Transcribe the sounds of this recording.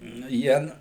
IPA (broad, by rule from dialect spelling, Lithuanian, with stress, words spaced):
nʊ ˈjiɛ n